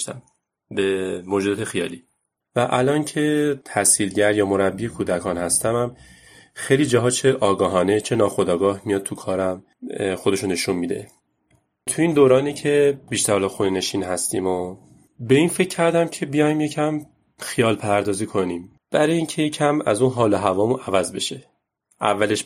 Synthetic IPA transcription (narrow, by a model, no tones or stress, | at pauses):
t̪æ̰m | bemod͡ʒud̪ɒːt̪ʰexijɒːliː | væʔælɒːncʰe̞t̪ʰæsilɟæɾjɒːmo̞ɾæbːiekʰuːd̪ækʰɒːnhæst̪æmæm | xejliːd͡ʒɒːɦɒːt͡ʃʰe̞ʔɒːɡɒːɦɒːne̞t͡ʃʰe̞nɒːxod̪ɒːɡɒːhmijɒːd̪̥̚tʰukʰɒːɾæm | xod̪e̞ʃone̞ʃunmid̪e̞̰ | t̪ʰuiːnd̪oːɾɒːnicʰebiʃt̪æɾhɒlɒxunene̞ʃiːnɦæst̪ḭːmo | be̞infe̞cʰːæɾd̪æmcʰe̞bijɒːjmje̞cʰæm | xijɒːlpʰæɾd̪ɒːziːkʰo̞niːm | b̥æɾɒːjeiːŋcʰe̞jecʰæmæ̰zuːnɦɒːloɦævɒːmunævæzbe̞ʃe̞ | ʔæ̰vːæleʃ